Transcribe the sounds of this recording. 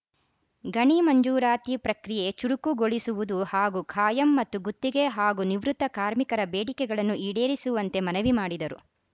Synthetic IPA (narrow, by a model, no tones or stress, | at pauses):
ɡɐɳimɐɲd͡ʒuːɾaːt̪ipɾɐkɾije̞t͡ʃuɽukuɡoɭisuʋud̪uhaːɡukʰaːjɐmːɐt̪ːuɡut̪ːiɡe̞ɦaːɡuniʋɾut̪ːɐkaːɾmikɐɾɐbeːɽikɛɡɐɭɐnːuʔiːɽeːɾisuʋɐnt̪e̞mɐnɐʋimaːɽid̪ɐɾṵ